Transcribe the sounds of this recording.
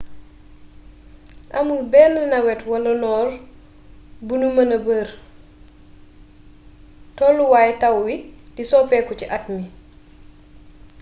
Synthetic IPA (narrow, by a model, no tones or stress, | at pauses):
ʔɐmulbɛːnlinɐwɛtwɐlɐnɔːr | bunumɐnɐbəːr | tɔlːuwaːjɛtɐwːidisɔpɛːkɔciʔɐtmi